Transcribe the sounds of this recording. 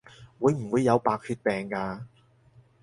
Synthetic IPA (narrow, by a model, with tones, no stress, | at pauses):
wuː˨˧jm̩˨˩wuː˨˧jːɐ˨˧wpaː˧k̚hyː˧t̚pɛː˨ŋkaː˧